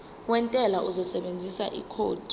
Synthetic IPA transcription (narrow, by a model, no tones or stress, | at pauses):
wɛntʼɛlaʔuzɔsɛɓend͡zʱisa̰ʔḭkʰoːd̥ʱi